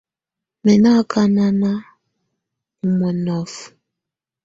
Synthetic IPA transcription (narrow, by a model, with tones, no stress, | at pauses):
mɛ˨na˦kʰa˦na˦na˦ | u˨mɔ˨nɔ˨f